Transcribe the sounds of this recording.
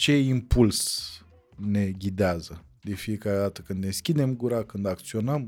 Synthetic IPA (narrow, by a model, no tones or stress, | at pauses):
t͡ʃe̞impuls | ne̞ɡʲid̪eazə | d̪e̞fije̞kaɾe̞d̪at̪əkɨnd̪eskʲid̪e̞mɡuɾakɨnd̪ak̚t̪sio̞nəm